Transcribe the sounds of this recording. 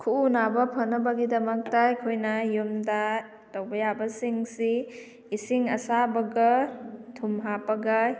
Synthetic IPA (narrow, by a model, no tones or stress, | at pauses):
kʰuunabɐpʰɐnːɐbɐɡidɐmɐk̚tɐikʰojnɐjumda | tɐwbɐjabɐsiŋsi | isiŋɐsabɐɡɐtʰumɦapɐɡɐ